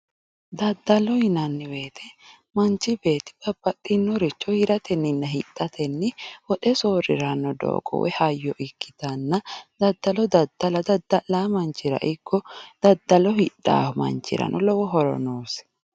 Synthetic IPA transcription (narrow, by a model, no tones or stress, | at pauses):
d̪ɐd̪ːɐlɔhɪnɐnːɪwe̞ːt̪ʰɛ | mɐnt͡ʃːɪbe̞ːt̪ɪ̥ɡɐbːɐt̪ʼːɪnːɔɾɪt͡ʃːɔhɪɾɐt̪ʰɛnːɪnːɐɦɪtʼːɐt̪ɛnːɪwɔᶑɛsoːɾɪ̰ɾɐnːɔd̪o̰ːɡʼɔ̰wɛ̰hɐjːɔʔɪkːɪ̥t̪ɐnːɐd̪ɐd̪ːɐlɔd̪ɐd̪̥ːɐlɐd̪ɐd̪ːɐlaːmɐnt͡ʃːɪɾɐ̰ʔɪkːɔd̪̥ɐd̪ːɐlɔhɪᶑːa̰ːhʊmɐ̰nt͡ʃːɪ̰ɾɐ̰nʔɔlɔwɔɦɔɾɔ̰noːs